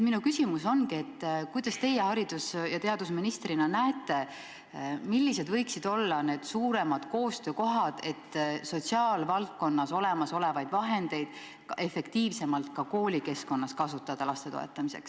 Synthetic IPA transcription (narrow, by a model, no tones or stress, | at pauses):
minukysimuso̞nkie̞t̪ːˑkujd̪̥ɑst̪e̞jehɑɾid̪̥usjɑt̪e̞ɑd̪̥usminist̪rinɑnæet̪ːˑe̞ | milːis̬e̞d̪vɤjksid̪̥o̞lːɑne̞ːd̪̥suːɾe̞mɑd̪̥ko̞ːst̪ø̞ːko̞ɦɑd̪̥e̞t̪ːso̞t̪siɑːlvɑlt̪̚ko̞nːɑso̞le̞mɑso̞le̞vɑjd̪vɑɦe̞nd̪̥e̞jd̪̥ | e̞fe̞kt̪iːvse̞mɑlt̪̚kɑko̞ːlʲike̞sko̞nːɑskɑsut̪ːˑɑd̪̥ɑlɑst̪e̞t̪o̞̰e̞t̪ːˑɑmise̞̰ks